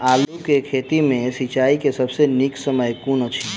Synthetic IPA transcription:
aːlukekʰeːt̪imẽsit͡ʃaːikesɐbseniksəməjkuːnət͡ʃʰi

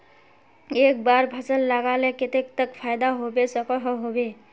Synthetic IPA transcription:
ek̚baɾbʱəsəlːaɡaleket̪ek̚t̪əkpʰajd̪aɦobesəkɔɦɔɦobe

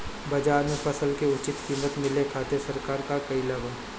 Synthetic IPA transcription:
bɐd͡ʒaːnepʰəsəlkeʊt͡ʃɪt̪kiːmət̪mɪlekʰaːt̪esɐɾkaːɾkakɐilɐbən

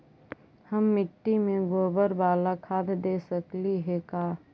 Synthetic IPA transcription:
həmːɪʈːimẽɡoːbəɾbaːlakʰaːd̪d̪eːsəkliɦɛkaː

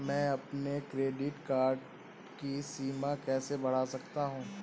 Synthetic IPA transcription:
mɛ̃ːɐpnekɾeːɖɪʈkaːɾɖ | kisiːmakɛːsebɐɽ̤aːsɐkt̪aɦũː

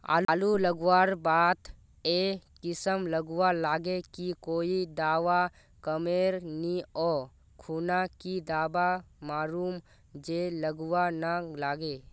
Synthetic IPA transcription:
a̰ːluləɡwaːɾbaːt̪ | ekɪsəmləɡwalaːɡekikoːid̪aːʋa | kəmeːɾniɔː | kʰuːnakid̪aːbamaːɾuːm | d͡ʒeləɡwanalaːɡe

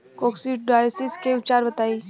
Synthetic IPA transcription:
kɔːksiɖɖaːjsɪskeʊt͡ʃaːɾbɐt̪aːi

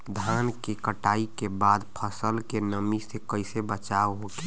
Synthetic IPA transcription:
d̪ʱankekəʈaːikebad̪pʰəsəlkenəmisekəɪsebət͡ʃaɦoke

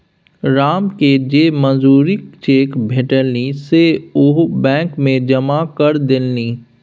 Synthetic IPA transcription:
ɾaːmked͡ʒeːmə̃nzuːɾikt͡ʃeːkbʱeʈəlniseʊɦbɛ̃ːkmẽd͡ʒɐmakəɾd̪ɪlniː

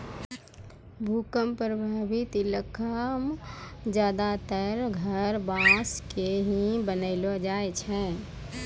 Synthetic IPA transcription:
bʱukəmpɾəbʱaːbit̪iləkʰəmd͡ʒjaːd̪at̪əɾɡʱəɾbãskeɦĩbənəɪlod͡ʒaːet͡ʃʰɛ̃

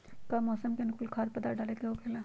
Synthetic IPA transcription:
kamɔːsəmkenkulkʰaːɾpəd̪aɖaːlekeɦokʰela

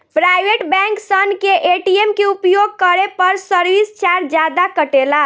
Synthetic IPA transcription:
pɾajbeʈbɛ̃ŋksənkeʔeʈiemkeupjoɡ̚kəɾepəɾsəɾʋist͡ʃaɾd͡ʒad̪akəʈela

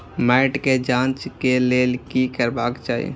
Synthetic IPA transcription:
mɛɪʈked͡ʒãːnt͡ʃkeleːlkikəɾbaːkt͡ʃaːḭ

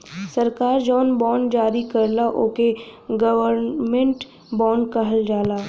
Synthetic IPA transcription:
səɾkaːɾd͡ʒɔːnbɔːɳɖd͡ʒaːɾikɐɾlaʔoːkeɡəʋəɾmẽɳʈ | bɔːɳɖkɐɦəld͡ʒaːlaː

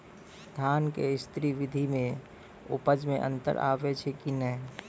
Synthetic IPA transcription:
d̪ʱaːnkeɪst̪ɾiʋɪd̪ʱimẽ | ʊ̰pəd͡ʒmẽʔə̰̃nt̪ə̰ɾʔa̰ːʋet͡ʃʰekinɛɦ

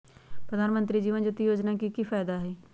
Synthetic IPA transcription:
pɾəd̪ʱaːnmənt̪ɾiːd͡ʒiːʋənd͡ʒʊt̪ːiːjoːd͡ʒnaːkiːkiːpʰaːd̪aːɦɛː

